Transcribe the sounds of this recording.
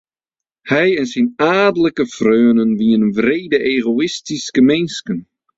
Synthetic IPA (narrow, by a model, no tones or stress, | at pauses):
hɛjɛnsinaːdələkəfrøːənənʋiənənvrejdəʔeɣoɪstiskəmɛnskən